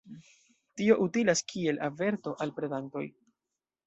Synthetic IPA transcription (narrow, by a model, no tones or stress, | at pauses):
tio̞ʔutilaskʰie̞lʔave̞ɾto̞ʔalpɾe̞danto̞̰j